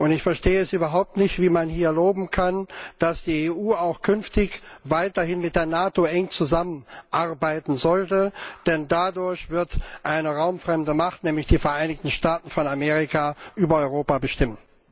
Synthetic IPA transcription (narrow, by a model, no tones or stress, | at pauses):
ʔʊntɪçfɛɐʃteːəɛsʔyːbɐɦaʊp̚tnɪçtv̥iːmanhiːɐloːbm̩kʰand̥asd̥iːeːʔuːaʊxkʰʏnftɪçvaɪtɐhɪnmɪt̚d̥eːɐnaːtoʔɛŋt͡suzamənʔaʁbaɪtn̩zɔltəd̥ɛndadʊɐçv̥ɪɐtʔaɪnəʁaʊmfʁ̥ɛmdəmaχtnɛːmlɪçd̥iːfɛɐʔaɪnɪçtn̩ʃtaːtn̩fɔnameːʁ̞ikaʔyːbɐɔʏʁoːpabəʃtɪmən